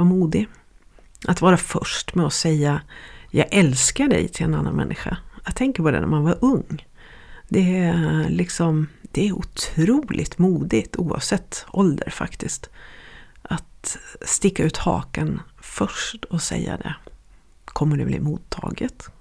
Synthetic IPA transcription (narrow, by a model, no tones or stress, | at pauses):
vaɾmuːd̪ɪ | ʔat̪vɑːɾafœʂʈmɛɔsɛjːajɑːɡʔɛlskaɖɛ̰jt̪ʰɪlɛnanːa̰nmɛ̰nːɪɧa̰ɑt̪ʰɛŋkəɾpɔd̪ɛ̰næ̰ɾmanvaɾʔɵŋː | d̪ɛlɪksɔmd̪̥ɛæʊt̪ʰɾuːlʔɪt̪muːd̪ɪt̪uːɑ̰vsɛt̪ːɔld̪əɾfa̰kt̪ɪst̪ | ʔat̪st̪ɪkːaʉ̟ːt̪hɑ̰ːkənfœʂʈɔsɛ̰jːa̰d̪ɛ̰ | kʰɔmːəɖɵblḭːmuːt̪ʰːɑ̰ːɡət̪